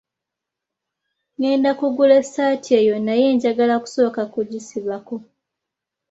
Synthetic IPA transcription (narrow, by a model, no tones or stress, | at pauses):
ŋe̞ːndakuɡule̞saːtʰie̞jo̞naje̞ːɲɟaɡalaku̥so̞ːkakuɟisiβako